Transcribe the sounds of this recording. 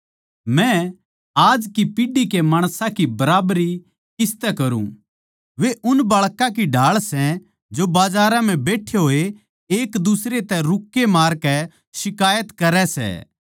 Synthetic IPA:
mɛ̃ | aːd͡ʒkipɪɖikemaːɽ̃sãkibɐɾaːbɾi | kɪst̪ɛkɐɾṵ̃ | ʋeʔʊnbɐɭkãkiɖʱaːɭsɛ̃ | d͡ʒobaːd͡ʒaːɾãm̤ɛ̃beːʈʰeɦoːe | eːkd̪ʊsɾet̪ɛɾʊkːemaːɾkɛ | sɪkaːjət̪kɐɾɛsɛ̰

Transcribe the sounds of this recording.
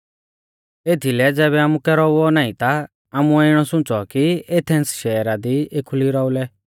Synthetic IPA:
eːt̪ʰilɛd͡zɛːβɛaːmũkɛɾɔuɔnaːĩt̪a | aːmuɛɪɽ̃ɔsʊ̃t͡sɔkiet̪ʰɛ̃nt͡sʃɛːɾad̪iekʰuliɾɔːulɛ

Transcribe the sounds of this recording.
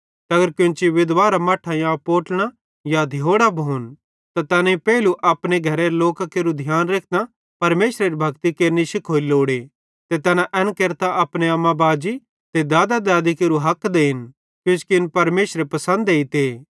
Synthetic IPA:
t̪ɐɡəɾkjʊ̃t͡ʃiʋɪd̪ʋaːɾamɐʈʰajãpoːʈɽ̃a | jad̪ʱɪjoːɽabʱoːn | t̪at̪ɐːnaipɛːɪluʔɐpɽ̃eɡʱɐɾeloːkakeːɾud̪ʱjaːnɾeːk̚ʰt̪a | pɐɾmeːʃɾeɾibʱɐkt̪ikeːɾniʃɪkʰoːiloːɽe | t̪et̪ɐːnãʔɛnkeːɾt̪aʔɐpɽ̃eɐmːãbaːd͡ʒi | t̪ed̪aːd̪ad̪aːd̪ikeːɾuɦɐkːd̪eːɦɪn | kjʊ̃t͡ʃkinpɐɾmeːʃɾepɐsə̃nd̪eːit̪eː

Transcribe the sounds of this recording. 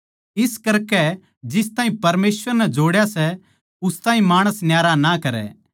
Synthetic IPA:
ɪskɐɾkɛ | d͡ʒɪs̬t̪ãːɦĩpɐɾmeːsʋəɾnɛd͡ʒoːɽjasɛ | ʊst̪aːɦĩmaːɽ̃əsnjaːɾanakɐɾɛ̰ː

